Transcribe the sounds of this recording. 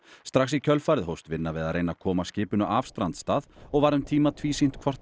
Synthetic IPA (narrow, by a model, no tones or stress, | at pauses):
st̪ɾaxsicʰœlfaːɾɪðɦowst̪vɪnːavɪðaðrejnakʰɔːmascɪːpʏnʏʔaːfst̪ɾant̪st̪aːðɔɣvaɾʏmt̪ʰiːmat̪ʰviːsin̥t̪kʰvɔr̥t̪